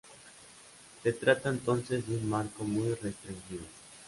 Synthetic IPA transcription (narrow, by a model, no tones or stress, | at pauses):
se̞t̪ɾat̪aent̪o̞nse̞zðeunmaɾko̞mujrest̪ɾiŋxiðo